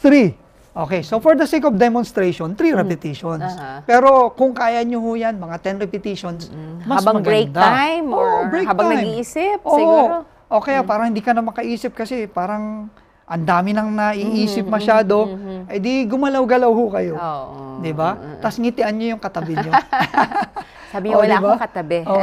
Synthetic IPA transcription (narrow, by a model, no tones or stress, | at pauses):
θɾi | ʔo̞ːkɛjsofoɹd̪ɐsejkofd̪ɛmonst̪ɾejʃont̪ɾiɾɛpɛt̪iʃonspɛːɾo̞kʊŋkaːjɐɲohʊjanmɐŋat̪ɛnɾɛpɪt̪iʃonsmɐbɐmɐɡekn̚d̪aajmoːʔobɹɛjkhabɐŋnɡjmiːiːsɪpʔoːʔo | ʔokɐjapaːɾɐŋhɪnd̪iːkɐnɐmɐkɐʔiːsɪp̚kɐsɛpaːɾɐŋ | ʔɐnd̪aːmɪnɐŋnɐʔiʔiːsɪp̚mɐʃaːd̪o̞ʔɐjd̪iɡʊmɐlawɡɐlawhʊkɐjo̞oʔd̪ɪbat̪ɐsŋɪt̪ɪʔɐnɲojʊŋkɐt̪ɐbɪɲo | saːbɪwɐdlaɪbakɐt̪ɐbɛʔoːʔ